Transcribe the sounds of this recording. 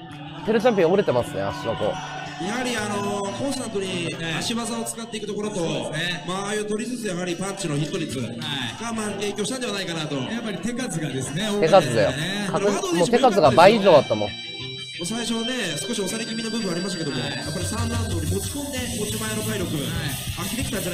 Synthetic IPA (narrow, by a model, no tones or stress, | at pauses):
t̪e̞ɾɯ̟t͡ɕãmp̬ʲĩɾe̞t̪e̞masɨnḛa̰sonoko̞̰ | jahaɾʲiano̞kõɰ̃st̪ãnt̪oɲ̟iaɕiβazaot͡sɨ̥kat̪ːe̞ikɯ̟t̪o̞koɾo̞t̪o̞emaajot̪o̞ɾʲit͡sɨsɨjaɦaɾʲipãɲt͡ɕino̞çit̪ːoɾʲit͡sɨ | aɡ̥amae̞ːkʲoɕi̥t̪and̪eβanaikanat̪o̞japːaɾʲit̪e̞kazɨɡad̪esɨnet̪e̞kazɨd̪a̰jo̰kamoːt̪e̞kazɨɡabaiiʑo̞ːd̪at̪ːamõ̰ | mosaiɕo̞βane̞sɨ̥ko̞ɕio̞saɾekʲiminobɯmbɯ̟̃aɾʲimaɕ̬t̪aked̪omojapːaɾʲisãnd̪ãnd̪o̞ːɲʲimo̞t͡ɕi̥kõ̞nd̪ekot͡ɕimaeno̞kaiɾʲjo̞kɯ̟ | akʲiɾekʲi̥t̪ad͡ʑa